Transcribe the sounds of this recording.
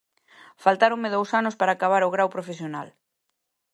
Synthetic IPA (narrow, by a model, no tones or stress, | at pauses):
falt̪aɾoŋmeðowsanʊspaɾaːkaβ̞aɾoɣɾawpɾofesjonal